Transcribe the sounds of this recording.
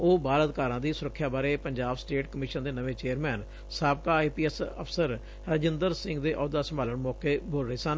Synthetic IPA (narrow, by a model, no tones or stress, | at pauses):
oːbaːləd̪kaːɾãːd̪iːsʊɾəkʰːjaːbaːɾeːpəɲd͡ʒaːbsʈeːʈkəmɪːʃənd̪eːnəʋẽːt͡ʃeːəɾmɛːn | saːbkaːiːpiːɛsəpʰsəɾ | ɾəd͡ʒɪnd̪əɾsɪ̃ŋɡd̪eːʔɔːd̪aːsəmbaːləɳmɔːkeːboːlɾəɦeːsən